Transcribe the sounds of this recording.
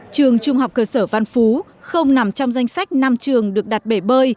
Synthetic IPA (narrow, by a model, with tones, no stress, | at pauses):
t͡ɕɨ˨˩əŋt͡ɕʊ˧ŋ͡mha˨˩wk͡p̚kəː˧səː˧˩va˧nfu˨˦ | xə˧wŋ͡mna˨˩mt͡ɕɔ˧wŋ͡mza˧jŋ̟sa˦˥jk̟̚na˧mt͡ɕɨ˨˩əŋɗɨ˨˩ək̚ɗa˨˩t̚ɓe˧˩ɓəː˧j